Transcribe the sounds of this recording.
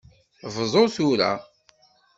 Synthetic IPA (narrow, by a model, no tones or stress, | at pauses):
vzˤoθuɾa̰